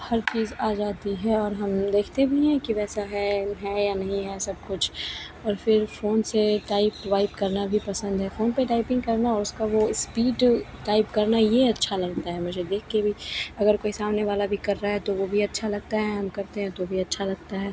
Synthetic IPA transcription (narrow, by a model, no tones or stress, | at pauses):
hɐɾt͡ʃiːzaːd͡ʒaːt̪iɦɛɔːɾɦɐmd̪eːkʰt̪ebʱiɦɛ̃kiʋɛːsaɦɛɦɛːjanɐɦĩɦɛsɐb̚kʊt͡ʃʰ | ɔːɾfɪɾfoːnseʈaːɪpʋaːɪpkɐɾnabʱipɐsə̃nd̪ɦɛfoːnpeʈaːɪpɪ̃ŋɡkɐɾnaɔːɾʊskaʋospiːʈʈaːɪpkɐɾnajeɐtːʃʰalɐɡ̚t̪aɦɛmʊd͡ʒʱed̪eːkʰkebʱiɐɡəɾkoːisaːmneʋaːlabʱikɐɾːaɦɛt̪oʋobʱiɐtːʃʰalɐɡ̚t̪aɦɛɦɐmkɐɾt̪eɦɛ̃t̪obʱiɐtːʃʰalɐɡ̚t̪aɦɛː